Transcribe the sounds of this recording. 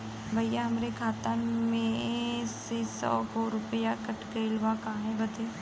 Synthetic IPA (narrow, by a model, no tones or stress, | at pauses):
bʱɐjjaɦɐmɾekʰaːt̪amẽsesɔ̰ːɡoɾʊpəjakɐʈkelʋakaːɦẽbɐt̪eː